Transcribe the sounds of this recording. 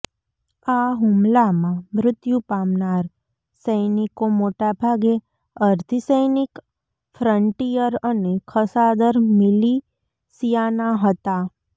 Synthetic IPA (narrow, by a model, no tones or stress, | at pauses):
aɦʊmlamãmɾʊt̪jupamnaɾ | səjnikomoʈabʱaɡe | əɾt̪ʰisəjnik | fɾəɳʈijəɾənekʰəsad̪əɾmɪli | sijanaɦət̪a